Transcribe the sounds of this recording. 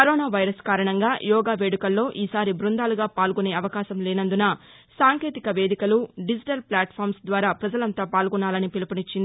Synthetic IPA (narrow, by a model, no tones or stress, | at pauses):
kɐɾɔːnaːʋɐjɾɐskaːɾɐɳɐŋɡaːjɔːɡaːʋeːɽikɐlːo̞ːʔiːsaːɾibɾund̪aːluɡaːpaːlɡune̞ːɐʋɐkaːʃɐmlɛːnɐnd̪unɐ | saːŋkeːt̪ikɐʋe̞ːd̪ikɐluɖid͡ʒiʈɐlpljaːʈpʰaːɾmsd̪ʋaːɾaːpɾɐd͡ʒɐlɐnt̪aːpaːlɡɔnaːlɐnipilupɐnit͡ʃːind̪i